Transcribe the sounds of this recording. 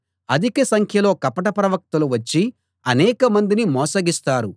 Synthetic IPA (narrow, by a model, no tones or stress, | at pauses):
ɐd̪ʱikɐsɐŋkʰjɐlo̞ːkɐpɐʈɐpɾɐʋɐk̚t̪ɐluʋɐt͡ʃːi | ɐnɛːkɐmɐnd̪inimɔːsɐɡist̪aːɾu